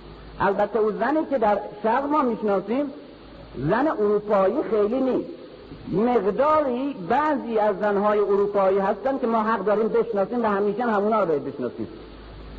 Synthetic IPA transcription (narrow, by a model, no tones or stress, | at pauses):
ʔælbæt̪ʰːeuːzæniːked̪æɾʃæɣmɒːmiːʃnɒːsiːm | zæneʔoɾuːpʰɒːjiːxejliːniːst̪ | meɣd̪ɒːɾiːbæʔziːæzːænɦɒːjeoɾuːpɒːiːhæst̪æn̚kʲemɒːɦæɣd̪ɒːɾiːmbeʃnɒːsiːmvæhæmiːʃænhæmuːnɒːɾbɒːjad̪beʃnɒ̰ːsḭːm